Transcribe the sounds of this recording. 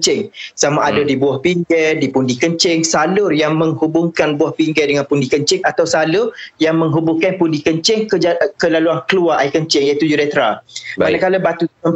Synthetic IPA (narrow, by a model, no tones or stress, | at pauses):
t͡ʃɪŋsamaʔadədibuahpiŋɡɛdipundikəɲt͡ʃɪŋsalʊrjaŋmə̃ŋhubʊŋkanbuahpiŋɡɛdəŋãnpundikəɲt͡ʃɪŋat̪awsalʊjaŋməŋɦubuŋkanpundikəɲt͡ʃɪŋkəd͡ʒkəlaluankəluaʔaikəɲt͡ʃɪŋjait̪ud͡ʒuɾɛt̪ɾapadaŋkalabat̪u